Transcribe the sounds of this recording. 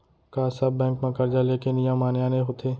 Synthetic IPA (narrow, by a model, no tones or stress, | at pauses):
kaːsɐbːɛ̃ːŋkmãkɐɾd͡ʒaleːkɪnɪjãmaːnjaːneɦoːt̪ʰeː